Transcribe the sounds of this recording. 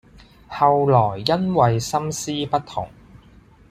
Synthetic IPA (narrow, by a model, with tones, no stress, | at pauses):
hɐ˨wlɔː˨˩jːɐ˥nwɐ˨jsɐ˥msiː˥pɐ˥t̚t̪ʰʊ˨˩ŋ